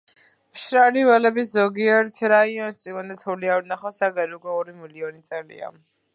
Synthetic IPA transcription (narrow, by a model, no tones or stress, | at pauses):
pʃɾalivɛlɛbiszɔɡiɛɾt̪ʰɾaiɔ̃nsʼiɡɔnɛt̪ʰuliaɾnaχasaɡaɾiuɡɔɔɾimiliɔnit̪sʼɛlḭa̰